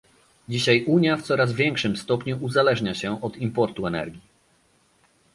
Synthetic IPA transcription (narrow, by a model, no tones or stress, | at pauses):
d͡ʑiɕajuɲjaft̪sɔɾazvʲjɛŋkʂɘmst̪ɔpɲuʔuzalɛʐɲaɕɛʔɔt̪impɔɾt̪uɛnɛ̰ɾɡʲi